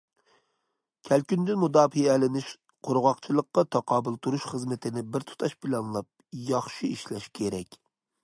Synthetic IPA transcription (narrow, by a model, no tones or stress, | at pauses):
kʲʰælkʲynd̪ynmud̪ɑːfijɛlɪnɪʃ | qʰoɾʁɑqt͡ʃʰilˠəqːɑt̪ʰɑqʰɑːbɨlˠt̪ʰuɾuʃχəzmɪt̪ʰɪnɪbɪɾt̪ʰu̥t̪ʰɑʃpʰɪlɑnlˠɑp̚jɑχʃiiʃlɛʃkʲʰeɾɛkʲ